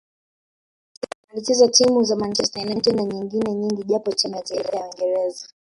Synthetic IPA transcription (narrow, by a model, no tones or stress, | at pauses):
alitizatimuzamant͡ʃɛstanantinaɲiŋɡinɛɲiŋɡiʄapɔt͡ʃɛnajataiɾajawiŋɡɛɾɛza